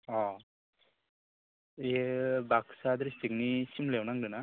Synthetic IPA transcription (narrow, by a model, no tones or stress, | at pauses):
ɔ | ebaksad̪ɾisik̚nisimlewnaŋdɯna